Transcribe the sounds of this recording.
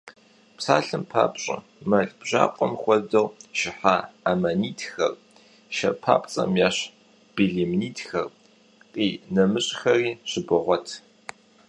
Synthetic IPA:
psaːɬɨmpʰa̰ːpɕʼɐ̰ | mɐɮbʑ̥a̰ːqʷʼɔmxʷɔdɨʁʃɪħaːamaːniːtʰxɐr | ʃɐpʰa̰ːpʼt͡sʼɐ̰mjaːɕ | b̥iɮimniːtʰxɐr | qʼiːnɐmɨɕʼxɐriːɕɪbɨʁʷɔtʰ

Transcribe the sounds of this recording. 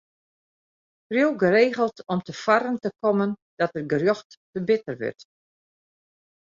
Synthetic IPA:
frjowɡəreːɣəlˠtɔmtəfarəntəkɔmənd̥ɔtərɡərjɔxtːəbɪtərʋʏ̰rt

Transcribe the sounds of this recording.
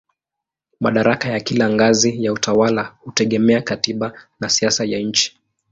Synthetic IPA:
ma̰ɗaɾakajakilaŋɡazijautawalahutɛɠɛmɛakatiɓanasiasajaɲ̩t͡ʃi̥

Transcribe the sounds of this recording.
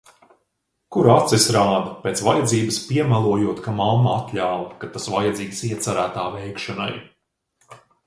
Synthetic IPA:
kuɾat̪sisɾaːd̪ɐpʲeːt̪svajad̪ziːbɨspʲiɛmalˠuɔjuɔt̪kamamːaat̪lʲaːvkat̪asvajad̪ziːɡsiɛt̪saɾæːt̪aːvɛjkʃɔna̰j

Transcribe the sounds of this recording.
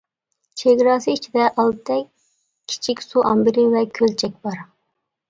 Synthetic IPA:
t͡ʃʰeɡʲɾɑːsɨit͡ʃʰid̪ɛʔɑlˠt̪ʰɛk̚ʲ | kʲʰːi̥t͡ʃʰikʲsuʔɑmbɪɾɪvɛkʲʰølt͡ʃʰɛk̚ʲbɑɾ

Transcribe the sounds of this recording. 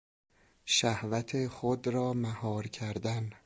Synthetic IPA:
ʃæhvæt̪ʰeχod̪ɾɒːmæhɒːɾcʰæɾd̪æn

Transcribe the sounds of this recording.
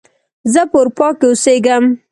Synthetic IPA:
zəpoɾpɑkeʊseɡam

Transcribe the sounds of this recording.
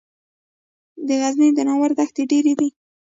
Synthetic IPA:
d̪əɣaznəjd̪ənɑwaɾd̪axt̪eɖeɾed̪i

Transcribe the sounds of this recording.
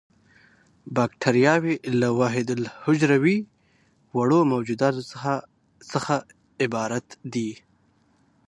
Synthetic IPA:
bɑkʈʰaɾijɑwelawɑɦɪd̪ɪlhʊd͡ʒɾawi | waɽomawd͡ʒud̪ɑt̪a | səxa | ɪbɑːɾat̪d̪i

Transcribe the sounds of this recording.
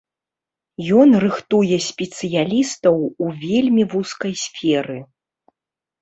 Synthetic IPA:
jɔnrɨxt̪ujɛsʲpʲɛt̪sɨjalʲist̪ɐwuvʲelʲmʲivuskɐjsʲfʲɛɾɨ

